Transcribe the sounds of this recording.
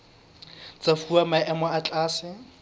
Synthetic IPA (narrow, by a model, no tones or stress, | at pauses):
t͡safuamaɛmɔat͡ɬʼaːsɪ